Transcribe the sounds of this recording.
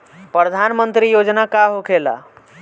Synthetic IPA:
pɾəd̪ʱanmənt̪ɾijod͡ʒnakaɦokʰela̰

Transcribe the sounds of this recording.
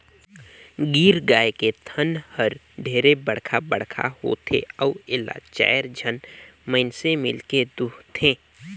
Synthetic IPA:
ɡiːɾɡaːeket̪ʰənhəɾ | ɖʱeːɾebəɽ̤kʰabəɽ̤kʰa̰ho̰t̪ʰḛəʊɪla̰ːt͡ʃa̰ːjəɾd͡ʒʱənməɪnsemɪlked̪ʊkt̪ʰẽː

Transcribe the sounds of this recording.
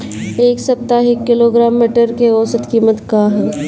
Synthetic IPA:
eːksɐp̚t̪aːɦɪkːɪloːɡɾaːmːiːʈəɾkeɔːsət̪kiːmət̪kaːɦɛ

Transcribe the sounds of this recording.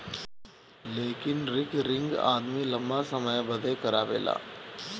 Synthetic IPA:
leːkɪnɾɪkɾɪ̃ŋɡa̰ːd̪milɐ̃mbasəməjbəd̪ekəɾaːbḛːla̰ː

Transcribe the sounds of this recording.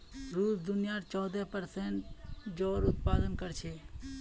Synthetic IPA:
ɾuːsd̪ʊnijaːt͡ʃɔːd̪ɛpəɾsẽɳʈd͡ʒɔːɾʊt̪̚paːd̪ənkəɾt͡ʃʰeː

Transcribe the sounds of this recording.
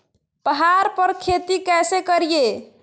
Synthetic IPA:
pəɦaɾpəɾkʰet̪ikɛsekəɾije

